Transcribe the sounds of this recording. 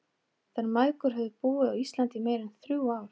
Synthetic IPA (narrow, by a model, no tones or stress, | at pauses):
θaɾmajkʏɾ̥ɦɛvðʏpuːɪðawist̪lant̪ɪmeːjɾɛnθɾjuaːwɾ̥